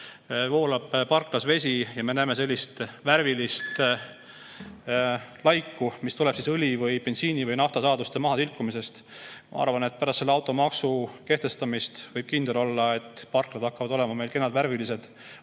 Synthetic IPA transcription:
vo̞ːlɑb̥pɑrklɑsve̞s̬ʲijɑme̞næːme̞se̞lʲːist̪værvilist̪ | lɑjkːumist̪ulɛb̥sisɯlʲivɯjpe̞nsiːnivɯjnɑft̪ɑsɑːd̪ust̪e̞mɑɦɑsilkːˑumise̞st̪ | mɑ̰ɑ̰ɾvɑnet̪̚pæɾɑst̪seːɑwt̪ːˑo̞mɑksuke̞ht̪e̞st̪ɑmist̪vɤjb̥̚kind̪̥e̞lo̞lːɑe̞t̪ːpɑrklɑd̪̥ɑkːɑvɑd̪̥o̞le̞mɑme̞jlke̞nːɑd̪væɾvilis̬e̞d̪̥

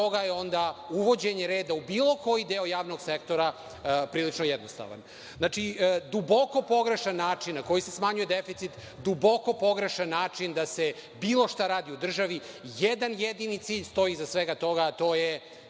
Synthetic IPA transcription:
oɡajeo̞nd̪auʋo̞d͡ʑe̞ɲeɾeːd̪aubiːlˠo̞ko̞jid̪eo̞jaːʋno̞ɡsekt̪o̞ɾa | pɾiːlit͡ʂnojɛd̪nost̪a̰ʋa̰n | znat͡ʂid̪ubo̞ko̞po̞ɡɾe̞ʃanːaːt͡ʂinːako̞jise̞smaɲujed̪efit̪sit̪ | d̪ubo̞ko̞po̞ɡɾe̞ʃanːaːt͡ʂind̪asebiːlˠo̞ʃt̪aɾaːd̪iud̪r̩ʒaʋi | jed̪anjed̪init̪siːʎst̪o̞jizasʋeɡat̪o̞ɡaːt̪o̞ːje

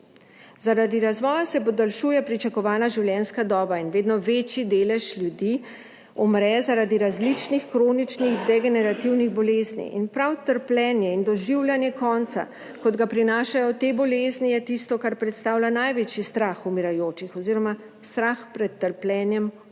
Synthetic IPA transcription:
zaɾad̪iɾazʋɔːjasɛpɔd̪alʃuːjɛpɾit͡ʃakɔʋaːnaʒiwljɛnskad̪ɔːbainʋeːd̪nɔʋeːt͡ʃjid̪eːlɛʃlʲjud̪iː | ɔmɾɛzaɾad̪iɾazlit͡ʃnixkɾoːnit͡ʃniɣd̪ɛɡɛnɛɾat̪iwniɣbɔleːznḭʔinpɾawt̪əɾplʲɛːnjɛind̪ɔʒiwlʲjanjɛkɔːnt̪sa̰ | kɔd̪ɡapɾinaːʃajɔt̪eːbɔleːznijɛt̪ist̪ɔkaɾpɾɛt̪st̪aːwlanajʋet͡ʃjist̪ɾaxumiɾajoːt͡ʃixɔziɾɔma | st̪ɾaxpɾɛt̪ːəɾplʲɛːnjɛm

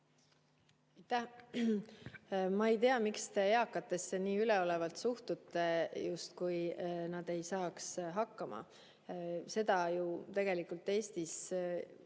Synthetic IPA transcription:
ɑjt̪æh | mɑejt̪e̞ɑmikst̪e̞eɑkːˑɑt̪ːˑe̞seniːyle̞o̞le̞vɑlt̪suht̪ut̪ːˑejust̪kujnɑd̪̥e̞jsɑːksɦɑkːɑmɑ̰ | se̞d̪̥ɑjut̪e̞ɡ̥e̞likult̪ːˑe̞ːst̪is

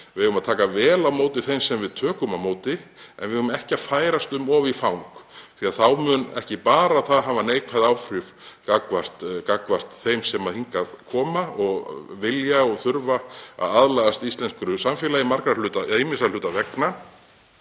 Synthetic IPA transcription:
vɪʏvʏmaðt̪ʰaːkavɛːlawmoːwt̪ɪθejmsɛmvɪðt̪ʰœːkʏmawmoːwt̪ɪɛ̰nvɪðʏmɛhcaðfaːjɾast̪ʏmɔːvifawŋkθiaðθawmʏnɛ̰hcɪpaːɾaðθaðɦaːvaneːjkʰvaðawfɾɪf | kakvar̥t̪kakvar̥t̪θejmsɛmaðhiŋkaðkʰɔːmaɔɣvɪljaɔɣθʏɾvaa̰ðaðlajɣast̪ist̪lɛnskɾʏsamfɪlaimaɾkɾalʏːt̪aaɪmɪsalʏːt̪avɛkna

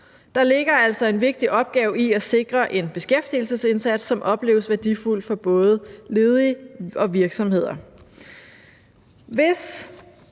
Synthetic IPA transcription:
d̥ɑ̈le̝ɡ̥ɐæl̰sɒ̽e̝nʋe̝ɡ̥̚d̥iʔɒ̽b̥̚ɡ̥ɛːʊiæse̝ɡ̥ʁɐʔe̝nb̥e̝sɡ̥efd̥il̩səse̝nsæd̥sːɒ̽mʔɒ̽b̥le̝̰ːʊəsʋæɐd̥iful̰̥fɒ̽b̥ɔ̽ːð̞̩ˠle̝ːð̞ˠiɒ̽ʋiɐɡ̥sɒ̽mhe̝ð̞̰ˠɐ | ʋe̝s

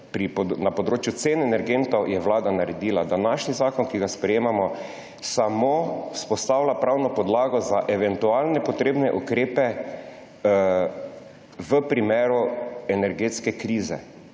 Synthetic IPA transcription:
pɾipnapɔd̪ɾoːt͡ʃjut̪senɛnɛɾɡent̪ɔwjɛʋlaːd̪anaɾɛd̪iːlad̪anaʃnizaːkɔnkiɡaspɾɛjeːmamɔ | samospɔst̪aːwlʲapɾawnɔpɔd̪laːɡɔzaʔɛʋɛnt̪ualnɛpɔt̪ɾeːbnɛʔukɾeːpɛ | ʋəpɾimeːɾuɛnɛɾɡeːt̪skɛkɾiːzɛ̰

